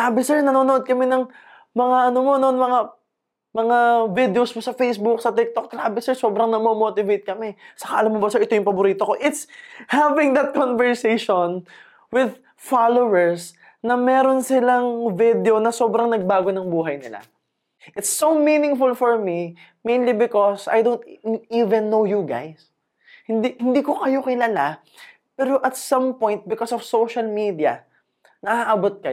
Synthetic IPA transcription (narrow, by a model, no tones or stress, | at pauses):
laːbɪsɛɹnɐnoːnoʔod̪̚kɐmɛnɐŋ | mɐŋaʔɐnomo̞nonmɐŋa | mɐŋavɪd̪ɛosmosɐfejsbʊk̚sɐt̪ɪk̚t̪ok̚ɾaːbɪsɛɹso̞ːbɾɐŋnɐmomoːt̪ɪvejt̪̚kɐmɛsɐkaʔɐlamːobɐsɛɹʔɪt̪o̞jʊŋpɐboɾiːt̪oko̞ʔɪt̪shavɪŋd̪ɐt̪̚konvɛɹsejʃon | wɪd̪̚ | falowɛɹs | nɐmɛːɾo̞nsɪlaŋvɪd̪ɛo̞nɐsobɾɐŋnɐɡ̚baːɡonɐŋbuːɦɐjnɪla̰ | ʔɪt̪sːominɪ̃ŋfʊlfɔɹmi | mẽjnlibɪkɔsa̰jd̪õwnt̪ivɛ̃nːowjuɡa̰js | hɪnd̪ihɪnd̪iːkokɐjo̞kɪlaːla | pɛːɾoʔɐt̪sɐ̃mpɔ̃jnt̪̚bɪkɔsɔv̥sowʃɐlmid̪iɐ | nɐʔaʔabot̪̚kɐj